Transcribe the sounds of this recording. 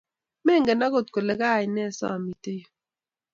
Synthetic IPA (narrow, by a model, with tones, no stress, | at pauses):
mɛ˦˨ŋɡɛ˨na˦ko˦˨t̚ko˨lɛ˨ka˦˨ɪ˨nɛ˦˨sɔ̰˦a˨mi˨te˦jo˨